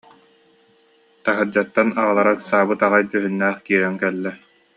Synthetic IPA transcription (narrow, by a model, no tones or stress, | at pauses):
t̪aɦɯɾd͡ʑat̪ːanaʁalˠaɾaksaːbɯt̪aʁajt̪yɦynːæːχkiːɾɛŋkɛlːɛ